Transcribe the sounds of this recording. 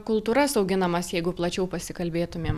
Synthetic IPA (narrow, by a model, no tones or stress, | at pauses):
kʊlˠt̪uːɾɐssɐʊɡʲɪnɐmɐsjɛɪɡʊplˠɐt͡ʃʲɛʊpɐsʲɪkɐlʲbʲeːt̪ʊmʲeːm